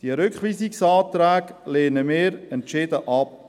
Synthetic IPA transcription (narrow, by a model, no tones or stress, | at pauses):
d̥iəɾʏkχʋiːsiksɑːt̪ɾæːɡleːnəmɪːɾɛntt͡ʃɪdəʔɑp̚